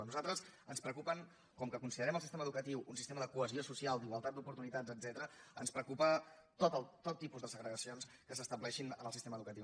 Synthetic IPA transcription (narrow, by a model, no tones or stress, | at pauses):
nuzalˠt̪ɾəzənspɾəkupəŋ | kɔmkəkunsiðəɾɛməlˠsist̪emɐəðukət̪iwunsist̪eməðəkuəziosusialˠd̪iɣwəlˠt̪at̪d̪upuɾt̪unit̪ad͡zəd͡zɛt̪əɾəənspɾəkupət̪ot̪ət̪ot̪ːipuzðəsəɣɾəɣəsionskəs̬əst̪əblɛʃinə̰nəlˠsist̪eməðukət̪iw